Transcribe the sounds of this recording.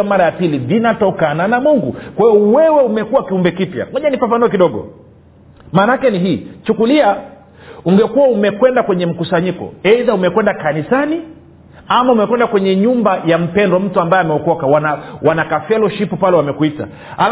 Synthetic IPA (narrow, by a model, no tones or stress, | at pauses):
amaɾajapilivinatɔkananamuŋɡṵkwahiɔwɛwɛumɛkuwakiumbɛkipja̰mɔʄanifafanuɔkiɗɔɠɔ̰ | maːnakɛniɦiːt͡ʃukulia | uŋɡɛkuwaumɛkwɛndakwɛɲɛm̩kusaɲikɔ̰ɛiðaumɛkwɛndakanisani | amaumɛkwɛndakwɛɲɛɲumbajam̩pɛndwɔm̩tuambaɛamɛɔkɔkawanawanakafɛlɔʃipupalɛwamɛkwita̰ | al